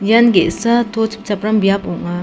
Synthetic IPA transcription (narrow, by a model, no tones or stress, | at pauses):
jɐnɡesɐt̪ot͡ʃʰpt͡ʃɐpɾɐmbjapuŋa